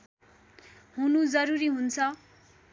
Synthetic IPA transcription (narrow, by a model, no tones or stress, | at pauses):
ɦunud͡zʌɾuɾiɦunt͡sʰʌ